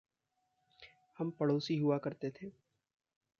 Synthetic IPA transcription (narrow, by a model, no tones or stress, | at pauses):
hɐmpɐɽoːsiɦʊakɐɾt̪et̪ʰeː